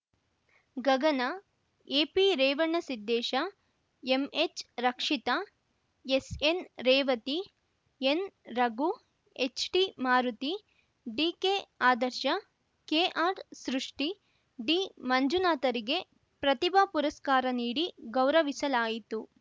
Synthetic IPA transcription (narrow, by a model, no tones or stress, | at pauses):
ɡɐɡɐnɐ | eːpiɾɛːʋɐɳːɐsid̪ːɛːʃɐ | emet͡ʃɾɐkʂit̪ɐ | esenɾɛːʋɐt̪i | enɾɐɡu | et͡ʃʈimaːɾut̪i | ɖiːkeːaːd̪ɐɾʃɐ | keːʔaːɾsɾuʂʈi | ɖimɐɲd͡ʒunaːt̪ɐɾiɡe̞ | pɾɐt̪ibʱapuɾɐskaːɾɐniːɽiɡɐwɾɐʋisɐlaːjit̪u